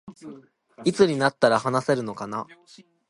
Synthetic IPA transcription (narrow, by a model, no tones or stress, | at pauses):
it͡sɨɲ̟inat̪ːaɾahanase̞ɾɯ̟no̞kana